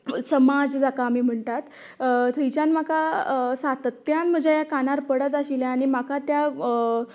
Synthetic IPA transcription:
səmad͡zd͡zakamiːm̤əɳt̪at̪ | t̪ʰəjt͡ɕanmakasat̪ət̪ːjanm̤əd͡ʑʱjajakanaɾpəɽət̪aɕiljaːɽ̃imakat̪ja

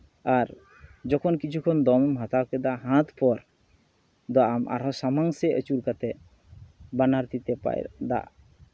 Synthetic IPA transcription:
aɾ | d͡ʒɔkʰɔnkit͡ʃʰukʰɔnd̪ɔmɔmɦat̪awkɛd̪aʔɦãt̪pɔɾ | d̪ɔamʔa̰ɾɦɔsamaŋsɛʔət͡ʃuɾkat̪ɛ | banaɾt̪it̪ɛpa̰jd̪a̰ʔ

